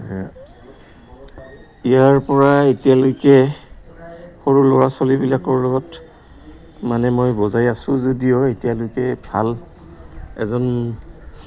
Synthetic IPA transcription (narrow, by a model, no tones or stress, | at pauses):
a | ijaɹpɔɹaetijalojkɛ | xoɹulɔɹasɔlibilakɔɹlɔɡɔt | manɛmojbɔzajasʊ̃zodijɔetijalojkɛbʱa̰l | ɛ̰zɔn